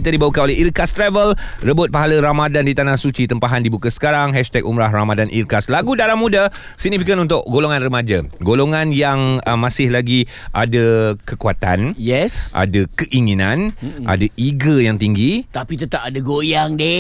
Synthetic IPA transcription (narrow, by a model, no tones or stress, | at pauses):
it̪adibawukanolɛɦiɾkast̪ɾɛvəlrəbʊt̪̚paɦaləɾamadandit̪anahsut͡ʃit̪əmpaɦandibukasə̥kaɾaŋɦɛʃt̪ɛk̚umɾaɦramadanʔḭrkaslaɡudaɾamũda | siɡ̚nifikənunt̪ʊʔɡoloŋãnrəmad͡ʒaɡoloŋãnjaŋəmãsɪhlaɡi | ʔadakəkuat̪anjɛsʔa̰dakəʔiŋinãnʔa̰daʔiɡəjaŋt̪iŋɡit̪apit̪ət̪apadaɡojaŋde